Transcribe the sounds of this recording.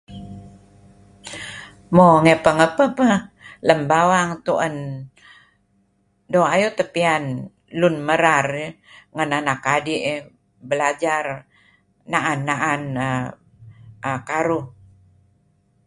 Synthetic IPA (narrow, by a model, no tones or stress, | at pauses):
moŋɛpəŋəpəpələmbawaŋt̪uʔən | doajut̪əpian | lunməɾar | ŋənanakadiʔ | bəlad͡ʒar | naʔanːaʔanə | əkaɾuh